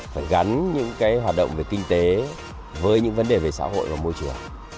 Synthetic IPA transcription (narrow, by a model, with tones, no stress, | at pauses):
faː˧˩jɣa˨˦nɲɨ̰˧˥ŋkaː˨˦jɦwaː˨˩t̚ɗə̰˧˨wŋ͡mve˨˩kï˧ŋ̟t̪e˨˦ | vəː˨˦jɲɨ̰˧˥ŋvə˨˦nɗe˨˩ve˨˩sa̰ː˧˥ho̰˧˨jvaː˨˩mo˧jt͡ɕɨ˨˩əŋ